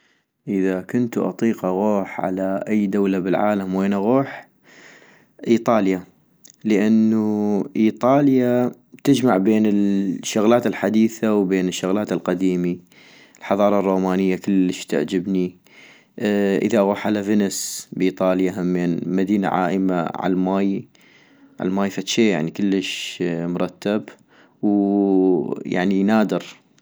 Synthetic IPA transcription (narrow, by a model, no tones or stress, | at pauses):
ʔəðakʊnt̪ʔɑ̰t̪ˤiːqʔaɣoːħʕa̰laʔajːd̪awlabɪlʕa̰ːlamweːnʔaɣuːħ | ʔiːt̪ˤɑːlja | ləʔanːuʔiːt̪ˤɑːlja | t̪ɪd͡ʒmaʕbeːnɪlʃːʊɣlaːt̪ɪlħad̪iːθawbeːnɪʃːʊɣlaːt̪ɪlqad̪iːmi | lħɑðˤɑːɾˤɑrˤːoːmaːnɪjːakəlːəʃt̪ɪ̰ʕd͡ʒɪbni | ʔə̰ðaʔɣuħalavɪnɪsbʔiːt̪ˤɑːljaɦamːeːnmad̪iːna̰ʕa̰ːʔəma̰ʕa̰lmaːj | ʕa̰lmaːjfat̪ʃeːja̰ʕnikəlːəʃmʊɾˤɑt̪ːab | w | ja̰ʕninaːd̪ɪɾ